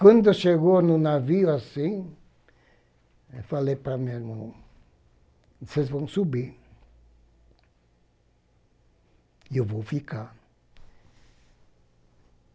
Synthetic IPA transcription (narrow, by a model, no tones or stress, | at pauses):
kwɐ̃nd̪ʊʃeɡonʊnaviʊasĩ | falejpɾamemo | sezvɐ̃w̃subiɾ | ewvowfika